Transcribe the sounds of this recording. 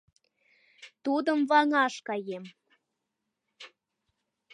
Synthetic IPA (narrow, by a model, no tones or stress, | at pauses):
t̪ud̪əmvɑŋɑʃkɑjem